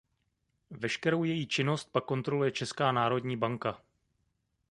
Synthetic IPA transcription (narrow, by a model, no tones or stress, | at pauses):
vɛʃkɛɾo̞wjɛjiːt͡ʃɪno̞st̪̚pakːo̞nt̪ɾo̞lujɛt͡ʃɛskaːnaːɾo̞dɲiːbaŋka